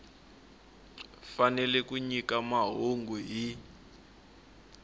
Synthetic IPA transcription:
fanɛlɛkuɲikamaɦoŋɡuɦi

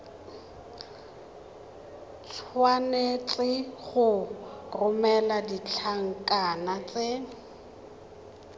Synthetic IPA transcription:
t͡sʰwanet͡sʼɪχʊrʊmɛladit͡ɬʰaŋ̩kʼanat͡sʼe

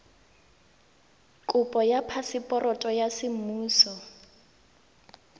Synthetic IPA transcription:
kʼʊpʼɔjapʰasɪpʼɔrʔɔtʼɔjasɪm̩muːsɔ

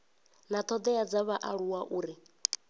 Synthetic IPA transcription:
nat̪ʰɔd̪ɛjad͡zaβaʔaɺuwaʔuːɾi

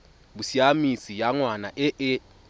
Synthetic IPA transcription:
busiamisijaŋwanaʔɛʔɛ

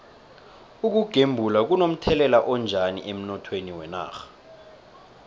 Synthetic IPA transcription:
uk̬uɡ̥ʱembʱulak̬unom̩tʰɛlɛlaʔɔnd͡ʒʱanḭʔem̩nɔtʰweniwɛna̰ːxḁ

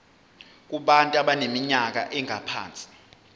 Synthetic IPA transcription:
k̬ʼuɓantʼuaɓanemiɲak̬a̰ʔɛŋʱapʰa̰ːnt͡sʼi̥

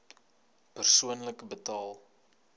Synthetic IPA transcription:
pərsuənləkəbətɑːlˠ

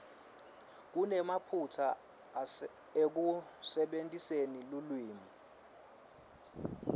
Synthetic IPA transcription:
k̬unɛmapʰutʰa | ek̬usɛɓentʼisenilulwiːmu

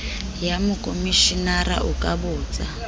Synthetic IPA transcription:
jamukʼomiʃinaɾa̰ʔukʼaβuːd͡za

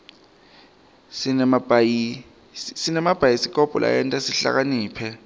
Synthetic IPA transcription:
sinmbi | sinɛmab̥ʱajisikʼɔb̥ʱɔ̰lʔa̰jɛntʼasiɬa̰k̬aniːpʰɛ

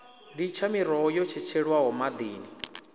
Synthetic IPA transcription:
dit͡ʃʰamiɾɔjɔt͡ʃʰɛt͡ʃʰɛɺwaɦɔmad̪iːni

